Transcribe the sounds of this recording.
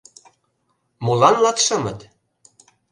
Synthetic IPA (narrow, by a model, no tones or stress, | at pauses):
molɑnlɑt̪ʃɤ̆mə̆t̪